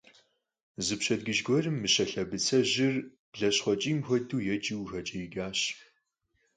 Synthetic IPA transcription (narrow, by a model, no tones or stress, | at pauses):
zɨpɕɐdɡɨʒɡʷɔrɨmːɨɕɐɬɐbɨt͡sʰɐʑɪr | b̥ɮɐɕχʷɔt͡ʃʼiːmxʷɔduːjɛt͡ʃʼiwxɐt͡ʃʼɐjɪɡaːɕ